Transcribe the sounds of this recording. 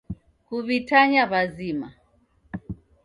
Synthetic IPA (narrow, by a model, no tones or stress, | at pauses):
kuβitaɲaβazima